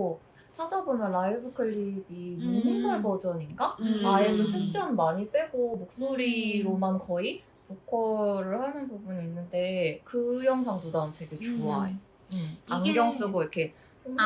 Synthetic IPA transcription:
o | t͡ɕʰad͡ʑabomjʌnɾaibɯkʰɯɭːibimuniɡʌɭbʌd͡ʑʌɲiŋɡaaet͡ɕ͈omsʰek̚t͡ɕ͈ʌnmaɲip͈eɡomok̚s͈oɾiɾomankʌi | pukʰʌɾɯɭhanɯnbubuniːnːɯnde̞kɯjʌŋsʰaŋdodantʰeɡe̞t͡ɕoaje | paŋɡjʌŋs͈ɯɡoikʰe̞ | t͡ɕom

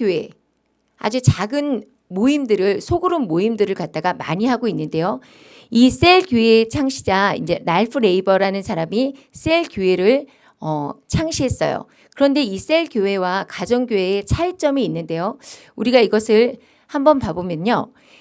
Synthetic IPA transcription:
joe̞ | a̰d͡ʑut͡ɕaɡɯn | moimdɯɾɯɭsʰoɡɯɾɯnmoimdɯɾɯɭkat̚t͈aɡama̰ɲiɦaɡoinːɯnde̞jo | is͈e̞ɭkjoe̞t͡ɕʰaŋɕʰi̥d͡ʑaḭnd͡ʑe̞naɭpʰɯɾe̞ibʌɾanɯnsʰaɾami | s͈e̞ɭkjoe̞ɾɯɭ | ʌt͡ɕʰaŋɕʰiɦe̞s͈ʌ̰jo̰ | kɯɾʌnde̞is͈e̞ɭkjoe̞wakad͡ʑʌŋɡjoe̞ːt͡ɕʰaɭt͡ɕ͈ʌmiːnːɯnde̞jo | uɾiɡaiɡʌsʰɯɭ | hambʌnpabomjʌɲo

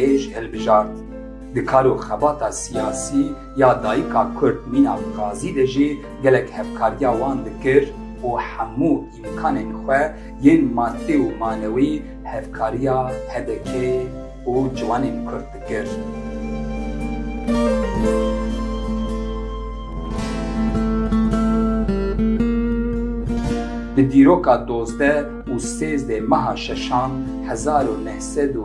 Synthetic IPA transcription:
eʒhɨlbɨʒɑːɾt̪̚ | d̪ɨkʰɑːɾuxɛbɑːt̪ɑːsijɑːsiː | jɑːd̪ɑːjikʰɑːkʰʊɾd̪̚miːnɑ̰ːbɨqɑːziːd̪ɛʒi | ɡɛlɛkhɛfkʰɑːɾijɑːwɑːnd̪ɨkɨɾ | uːħamuːimkʰɑːneːnxʷɛ | jeːnmɑːt̪eumɑːnɛwi | hɛvkʰɑːɾijɑːhɛd̪ɛkʰe | uːd͡ʒɨvɑːneːnkʰʊɾd̪̚kɨɾ | bɨd̪iːɾoːkɑːd̪oːzd̪ɛ | uːseːzd̪eːmɛɦɑːʃɛʃɑːn | hɛzɑːɾoːnɛhsɛd̪u

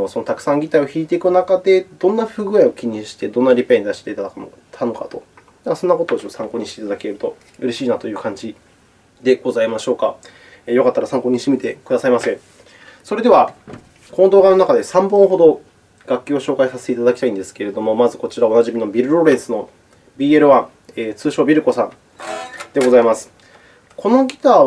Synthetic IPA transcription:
sono̞t̪akɯ̟̥sãŋɡʲit̪aio̞çiːt̪e̞ikɯ̟nakad̪e̞d̪õ̞nːaɸɯ̟ːɡɯ̟aio̞kʲiɲ̟ĩɕi̥t̪e̞d̪õ̞nːaɾʲipeɲ̟id̪aɕi̥t̪e̞it̪a | t̪ʰano̞ka̰t̪o̞ | asõ̞nːako̞t̪od̪eɕoːsãŋko̞ːɲiɕit̪eit̪ad̪ake̞ɾɯ̟t̪o̞ | ɯ̟ɾe̞ɕiːnat̪ojɯ̟ːkãɲ̟d͡ʑi | d̪e̞ɡ̥o̞zaimaɕo̞ːka | jo̞kat̪ːaɾasãŋko̞ːɲ̟iɕt̪emʲit̪e̞kɯ̟d̪asaimasẽ̞ɴ | so̞ɾe̞d̪e̞βa | ko̞nod̪oːɡano̞nakad̪e̞sãmbõ̞ɰ̃ɦo̞d̪o̞ | ɡ̥akʲːoːɕo̞ːkaisaset̪eit̪ad̪akʲi̥t̪aĩnd̪e̞sɨ̥ke̞ɾe̞d̪o̞mo̞mazɨko̞t͡ɕiɾao̞naʑimʲino̞bʲiɾɯ̟ɾo̞ɾẽ̞sɨno̞ | bʲiːe̞ɾɯ̟βãŋ | eːt͡sɨːɕo̞ːbʲiɾɯ̟ko̞sãn | d̪e̞ɡo̞zaimasɨ̥ | kʰo̞no̞ɡʲi̥t̪aː

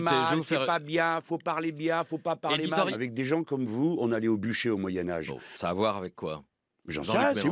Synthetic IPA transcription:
malsɛpabjɛ̃fopaʁlebjɛ̃fopapaʁllemaalavɛk̚d̪eʒɑ̃kɔmvuɔ̃nalɛobyʃeomwajɛna̰ʒsaːvwaʁavɛkːwa̰ | ʒɑ̰̃s

